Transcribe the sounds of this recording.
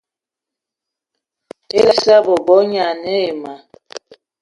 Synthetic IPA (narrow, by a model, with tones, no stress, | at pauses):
e˦lsa˦bɔ˨bɔ˨˦ɲa˨nɛ˦e˨ma˨